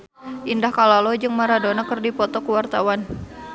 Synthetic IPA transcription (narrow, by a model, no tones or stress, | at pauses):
ʔindahkalalɔd͡ʒɨŋmaɾadonakɨrdipɔt̪ɔkuwart̪awan